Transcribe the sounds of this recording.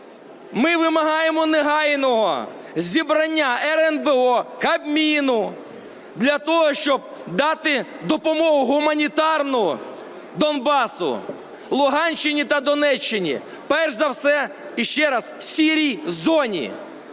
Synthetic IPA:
mɪʋɪmɐɦɑjemɔneɦɑjnɔɦɔ̰ | zʲibɾɐnʲːaɛɾɛnbeɔkɐbmʲinʊ | d̪lʲɐt̪ɔɦɔʃt͡ʃɔb̚ | d̪ɑt̪ɪ | d̪ɔpɔmɔɦʊɦʊmɐnʲit̪ɑrnʊɔ | d̪ɔnbɑsʊ̰ | lˠʊɦɑnʲt͡ʃːɪnʲit̪ɐd̪ɔnɛt͡ʃːɪnʲḭ | pɛrʒzɐwsɛ | iʃt͡ʃɛɾɐssʲiɾʲijzɔnʲḭ

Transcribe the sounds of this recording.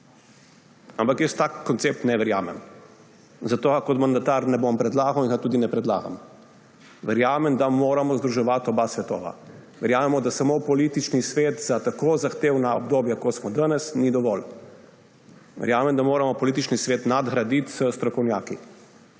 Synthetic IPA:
ampakjəst̪akːɔnt̪seːp̚t̪nɛʋɛɾjaːmɛ̰m | zat̪oːakɔt̪mand̪at̪aɾnɛbompɾɛd̪laːɡawinɡat̪uːd̪inɛpɾɛd̪la̰ːɡa̰m | ʋɛɾjaːmɛmd̪amoːɾamɔzd̪ɾuʒɛʋat̪ɔbasʋɛt̪o̰ːʋa̰ | ʋɛɾjaːmɛmɔd̪asamopɔlit̪it͡ʃnisʋet̪zat̪akozaxt̪eːwnaɔb̚d̪oːbjakɔt̪smɔd̪ənɛsnid̪ɔʋɔl | ʋɛ̰ɾjaːmɛmd̪amoːɾamɔpɔlit̪it͡ʃnisʋeːt̪nad̪ɣɾad̪it̪z̥əst̪ɾɔkɔwnjaːki

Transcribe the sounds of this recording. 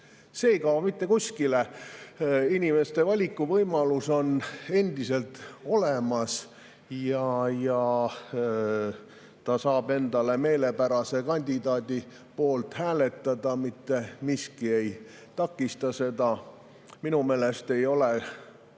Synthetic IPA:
seːjkɑomit̪ːe̞kusʲkile | inʲime̞st̪e̞vɑlʲikːˑuvɤjmɑluso̞ne̞nd̪̥ise̞lt̪o̞lemɑs | jɑjɑ | t̪ɑsɑːbe̞nd̪̥ɑle̞me̞ːle̞pæɾɑse̞kɑnʲd̪id̪ɑːd̪i | po̞ːlt̪hæːle̞t̪ːˑɑd̪̥ɑmit̪ːe̞miskie̞j | t̪ɑkːˑist̪ɑse̞d̪̥ɑ | minume̞ːlest̪e̞jo̞le

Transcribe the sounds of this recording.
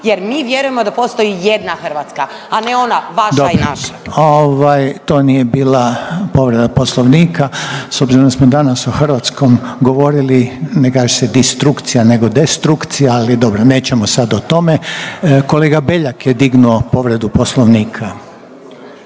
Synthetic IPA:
jeɾmiːʋjeɾuje̞mod̪apost̪ojijed̪naxr̩ʋat̪ska | aneo̞naʋad̪oinaʃaoʋajt̪o̞ːnije̞biːlapo̞ʋɾe̞d̪apo̞slˠoʋniːkaso̞bziɾond̪asmod̪anasoxrʋat̪sko̞mɡo̞ʋo̞ɾilinekaːʒesed̪ist̪ɾukt̪sijane̞ɡo̞d̪est̪ɾukt̪sijaalid̪o̞bɾone̞ːt͡ɕemosad̪ot̪o̞me̞ko̞leːɡabeʎakjed̪iɡnuo̞po̞ʋɾe̞d̪upo̞slˠo̞ʋniːkʰa

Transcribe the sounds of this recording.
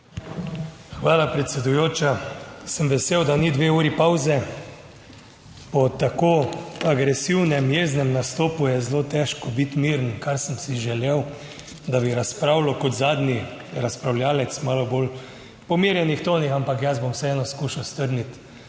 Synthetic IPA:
xʋaːlapɾɛt̪sɛd̪ujoːt͡ʃasəmʋɛseːwd̪anid̪ʋeuːɾipawzɛ | pɔt̪akoːaɡɾɛsiwnɛmjeznɛmnast̪oːpujɛzlot̪ɛʃkɔbit̪miːɾnkaɾsəmsiʒɛlew | d̪abiɾaspɾaːwlɔkɔt̪zaːd̪ni | ɾaspɾawlʲjaːlɛt̪smaːlɔbol | pɔmiːɾjɛnixt̪oːnixampakjazbomwsɛɛːnɔskuːʃawst̪əɾnit̪

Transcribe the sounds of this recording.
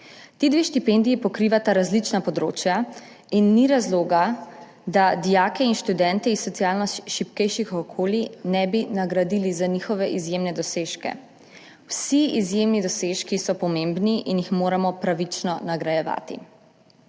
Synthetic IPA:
t̪iːd̪ʋeːʃt̪ipɛnd̪ijipɔkɾiʋat̪aɾazlit͡ʃnapɔd̪ɾo̰ːt͡ʃja | inːiɾazloːɡa | d̪ad̪ijaːkɛinʃt̪ud̪ɛnt̪ɛisːɔt̪sijaːlnɔʃipkɛjʃixɔkʰoːlinɛbinaɡɾad̪ilizanixɔʋɛʔizjemnɛd̪ɔseʃkɛ̰ | wsiizjemnid̪ɔseʃkisɔpɔmembniʔinjixmoːɾamɔpɾaʋit͡ʃnɔnaɡɾajɛʋa̰ːt̪ḭ

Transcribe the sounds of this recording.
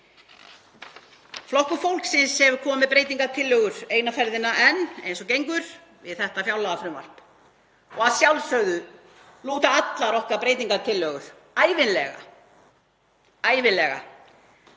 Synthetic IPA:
flɔhkʏfowlksɪnshɛvʏkʰɔːmmɪðpɾeːjt̪iŋkat̪ʰɪlːœːɣʏɾ̥eːjnafɛɾðɪnːaʔɛnejnsɔcejŋkʏɾ̥ | vɪ̰ðθɛht̪afjawlaɣafɾʏmva̰l̥p | ɔɣaðsjawlsœɣðʏ | luːt̪aat̪laɾɔhkaɾpɾeːjt̪iŋkat̪ʰɪlːœːɣʏɾ̥ | aːjvɪnlɛɣa̰ | aːjvɪnlɛɣa̰

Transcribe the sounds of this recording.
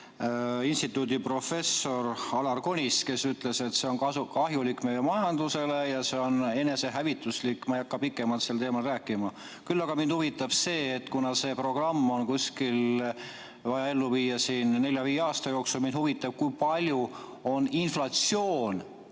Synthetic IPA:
inst̪it̪ːˑud̪ipro̞fe̞sːo̞rɑlɑrko̞nʲiske̞syt̪ˑle̞se̞t̪se̞o̞nɑkɑɦjulikːˑme̞jemɑjɑnd̪̥use̞le̞jɑseo̞ne̞ne̞se̞ɦævit̪ːˑuslikːˑmɑjɑkːɑpikːˑe̞mɑlt̪se̞lt̪eːmɑlræːkːˑimɑ | kylːɑɡ̥ɑmind̪̥huvit̪ːˑɑb̥se̞ːt̪ːkunɑse̞ːpro̞ɡ̥rɑmːo̞nkusʲkil | vɑjɑe̞lːuviːjːɑsiːnne̞ljɑviːeɑːst̪ɑjo̞ːksulmin̥huvit̪ːˑɑb̥̚kujpɑlʲju | o̞ninflɑt̪sio̞ːn

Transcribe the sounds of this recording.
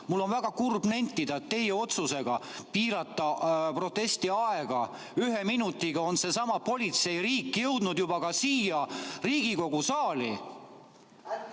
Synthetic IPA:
mulːo̞nvæɡ̥ɑkurbnent̪ːˑid̪̥ɑet̪ːe̞jeo̞t̪suse̞ɡ̥ɑpiːɾɑt̪ːˑɑpro̞t̪ːˑe̞st̪iɑe̞ɡ̥ɑ | yɦe̞minut̪ːˑiɡ̥ɑo̞nse̞sɑmɑpo̞lʲit̪se̞jɾiːkːˑjɤ̞wd̪̥nud̪̥jubɑkɑsiːjɑriːɡ̥iko̞ɡ̥usɑːli

